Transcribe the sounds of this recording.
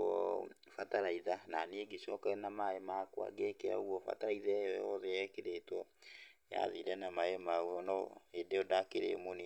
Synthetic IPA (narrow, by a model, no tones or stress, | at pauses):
ɔ̰ | fataɾaiðananeɡeɕɔkaɛnamaemakwa̰ɡekea̰oɣwɔfa̰taɾaiðaɛjɔjɔðeɛkeɾetwɔja̰ðiɾɛnamaemauɔnɔedeɔdakeɾḛmoni